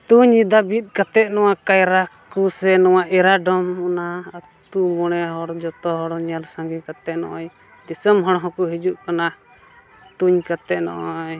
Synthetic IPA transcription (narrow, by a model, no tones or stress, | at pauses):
t̪uɲːid̪abit̪̚ˀkat̪ɛt̪̚nɔwakajɾa | kusɛnɔwaʔɛɾaɖɔmɔnaː | t̪umɔɽ̃ɛɦɔɽd͡ʒɔt̪ɔɦɔɽɲalsaŋɡikat̪ɛʔ̪̚nɔ̰ʔɔj | d̪isəmɦɔɽɦɔ̃kuɦid͡ʒuʔkana | t̪uɲkat̪ɛʔ̪̚nɔ̰ʔɔj